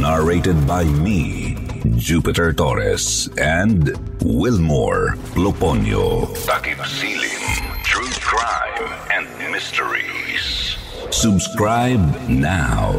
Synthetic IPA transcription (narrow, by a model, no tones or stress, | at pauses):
naɹeɪtɨd̚baɪmi | d͡ʒupɪtəɹtɔɹɪ̰sɛ̃nd | wɪlmɔ̰ɹploponj̰o̰t̪akipsilḭ̃ŋtʰɹukʰɹaɪm | ɛ̃ndmɪstəɹḭz̥ | subskɹaɪbnaʊ